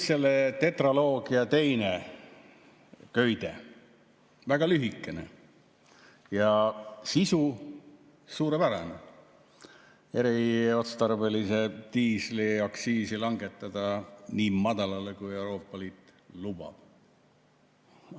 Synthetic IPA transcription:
selːet̪e̞t̪rolo̞ːɡ̥iɑt̪e̞jne | kø̞jd̪̥e̞̰ | væɡ̥ɑlyɦikːˑe̞nḛ | jɑsisu | suːɾepæɾḛne | e̞ɾio̞t̪st̪ɑrvelise̞t̪iːsliɑksiːsilɑŋɡe̞t̪ːˑɑd̪̥ɑniːmɑd̪̥ɑlɑlekuje̞uɾo̞ːpːˑɑliːt̪lub̥ɑ̰b̥

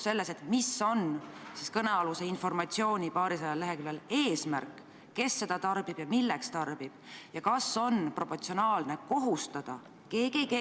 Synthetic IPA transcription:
se̞lːe̞se̞t̪miso̞nsiskɤneɑluse̞info̞rmɑt̪sio̞ːnʲipɑːɾisɑjɑleɦe̞kylːele̞ːsmærkˑː | e̞sːe̞d̪̥ɑt̪ɑrb̥ib̥jɑmilːe̞kst̪ɑrb̥ib̥jɑkɑso̞npro̞po̞rt̪sionɑːlne̞ko̞ɦust̪ɑd̪̥ɑ | keːɡeɡe

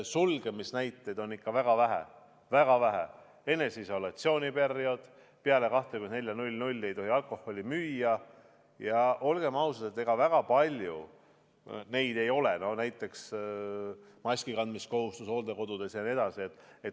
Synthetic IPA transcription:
sulɡ̥e̞misnæjt̪ːˑed̪̥o̞nːikːɑvæɡ̥ɑvæɦæ̰ | væɡ̥ɑvæɦæ̰ | e̞nːe̞siso̞lɑt̪sio̞ːnʲipe̞rio̞d̪̥ | peɑle̞kɑht̪ekune̞lʲjɑnulʲnulʲːe̞jt̪o̞ɦiɑlko̞hːo̞lʲimyːjɑ | jɑʔo̞lɡ̥e̞mɑusɑd̪et̪ːˑeɡ̥ɑvæɡ̥ɑpɑlʲjṵ | ne̞jd̪̥e̞jo̞leno̞næjt̪ːˑe̞ks | mɑsʲkikɑnd̪misko̞ɦust̪uso̞ːld̪eko̞d̪̥ud̪̥e̞sjɑnʲie̞d̪̥ɑsie̞t̪ːˑ | e̞t̪

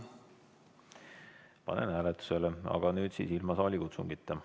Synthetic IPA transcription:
pɑ̰nḛnhæːlet̪ːu̥se̞leɑ̰ɡ̥ɑnyːd̪̥sḭːsilmɑsɑːlʲikut̪suŋɡit̪ːɑ

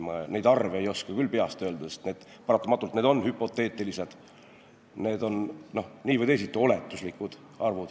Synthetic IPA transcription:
mɑne̞jd̪ɑrveejo̞skɑkylːpe̞ɑst̪ø̞ːld̪ɑst̪ne̞ːd̪̥ | pɑɾɑt̪ːˑɑmɑt̪ːˑult̪ne̞d̪o̞nːhypːˑo̞t̪ːˑe̞ːt̪ːˑilise̞d̪̥ | ne̞ːd̪̥o̞nno̞hniːvəjd̪e̞jsit̪ːˑuo̞le̞t̪ːˑuslikːˑud̪̥ | ɑrvud̪̥

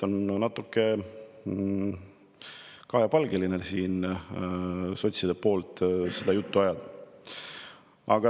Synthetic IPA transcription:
o̞nnɑt̪ːˑukːe̞ | kɑhjɑpɑlɡelinesiːn | so̞t̪ʲsid̪̥epo̞ːlt̪sed̪̥ɑjut̪ːuɑjɑd̪̥ | ɑɡ̥ɑ

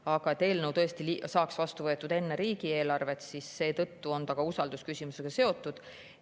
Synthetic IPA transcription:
ɑɡ̥ɑet̪e̞ːlnewt̪ɤ̞est̪ilisɑːksvɑst̪uvɤ̞et̪ːˑud̪̥e̞nːe̞ɾiːɡ̥ie̞ːlɑrve̞t̪sisːe̞ːt̪ɤ̞t̪ːuo̞nt̪ɑɡ̥ɑusɑld̪̥uskysʲimuse̞ɡ̥ɑse̞o̞t̪ːˑud̪̥

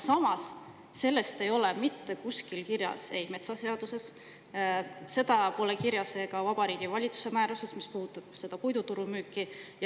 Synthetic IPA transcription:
sɑmɑsː | e̞lːe̞st̪e̞jo̞le̞mit̪ːe̞kuskilkiɾjɑ̰se̞jme̞t̪sɑse̞ɑd̪̥use̞s | se̞d̪̥ɑpo̞ːle̞kiɾjɑse̞ːkɑvɑb̥ɑɾiːɡ̥ivɑlʲit̪su̥se̞mæːɾuse̞smispuhut̪ːˑɑb̥se̞d̪̥ɑpujd̪ut̪uɾumyːkːˑij

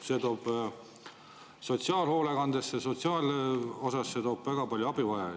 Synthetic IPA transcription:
se̞t̪o̞ːb̥ | so̞t̪siɑːlho̞ːlekɑnd̪̥esːeso̞t̪siɑːlo̞sɑsːe̞t̪o̞ːb̥væɡ̥ɑpɑlʲjuɑb̥ivɑjɑ

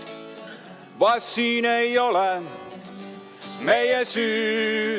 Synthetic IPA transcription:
ʋɑsːiːnejole | mejesyː

